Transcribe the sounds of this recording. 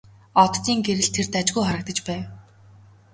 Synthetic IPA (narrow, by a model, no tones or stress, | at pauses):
ɔt̪ːiːŋɡeɾɘ̆ɮt̪ʰert̪at͡ɕɡujχaɾə̆k̚t̪ə̆t͡ɕpæːw